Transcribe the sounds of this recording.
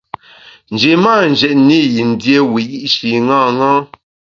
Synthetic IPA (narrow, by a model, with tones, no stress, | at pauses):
n̩˨d͡ʒe˨maː˦˨n˨d͡ʒɛ˨ʔni˦ji˨n̩˨˦dje˦wi˨ji˦ʔʃi˨ŋãː˦˨ŋã˦